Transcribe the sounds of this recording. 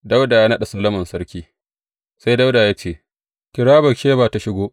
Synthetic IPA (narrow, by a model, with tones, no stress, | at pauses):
da˦wdaː˨jaː˦nɐ˦ɗa˨sɐ˦lːɐ˦mɐ˨nsɐ˦ɽkʲiː˦ | sa˦jda˦wdaː˨jaː˦t͡ʃeː˦˨ | kʲɪ˨ɽaː˦bɐ˨kʃeː˦baː˨ta˨ʃɪ˦ɡʷoː˦ʔ